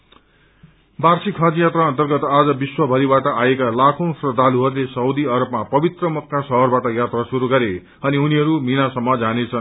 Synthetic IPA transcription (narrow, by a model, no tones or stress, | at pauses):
barsikʰːʌd͡zjat̪raʌ̃nt̪ʌrɡʌt̪ad͡zʌbiswʌbʱʌɾibaʈʌʔajekalakʰõsrʌd̪ʱaluɦʌrlesʌud̪iʌɾʌbmapʌbit̪rʌmʌkːasʌɦʌrbaʈʌjat̪rasuɾuɡʌɾe | ʌniuniɦʌɾuminasʌmːʌd͡zanet͡sʰʌn